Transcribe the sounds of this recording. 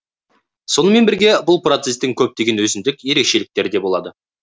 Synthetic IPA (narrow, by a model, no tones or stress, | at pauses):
so̞nəme̞nbɪɾɡʲe̞bʊlˠpro̞t̪se̞st̪ɪŋkʲʰɵp̚d̪e̞ɡʲe̞nwɵzɪnd̪ɪkʲje̞ɾe̞kʃe̞lɪk̚t̪e̞ɾɪd̪e̞bo̞lˠɑd̪ə